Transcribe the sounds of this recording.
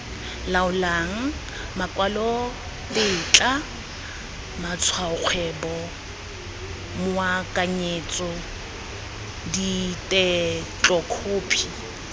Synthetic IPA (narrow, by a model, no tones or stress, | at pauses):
laʊlaŋ̩ | makʼwalɔ | bɪt͡ɬʼa | mat͡sʰwaʊk͡xʰwɛbɔ | mʊwakʼaɲet͡sʼɔ | ditʼɛt͡ɬʼɔkʰoːpʰi